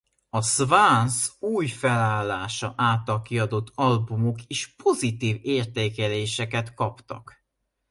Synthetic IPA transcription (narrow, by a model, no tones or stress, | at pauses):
ɒsvansuːjfɛlaːlːaːʃɒʔaːt̪ːɒlkiɒd̪o̞t̪ʰːɒlbumokeːʃpo̞zit̪iːveːrt̪eːkɛleːʃɛkɛt̪kɒpt̪ɒ̰k